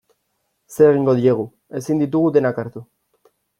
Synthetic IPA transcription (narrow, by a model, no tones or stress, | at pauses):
se̞ːɣiŋɡo̞ðieɣ̞u | e̞sind̪it̪̬uɣ̞ud̪e̞nakaɾt̪u